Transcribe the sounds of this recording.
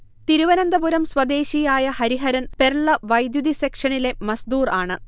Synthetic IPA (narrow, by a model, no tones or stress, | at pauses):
t̪iɾuʋɐnɐnd̪ɐbuɾɐmswɐd̪e̞ːɕijaːjɐhɐɾiɦɐɾɐnperɭːɐʋɐjd̪jud̪isekʂɐɳile̞mɐsd̪uːraːɳɨ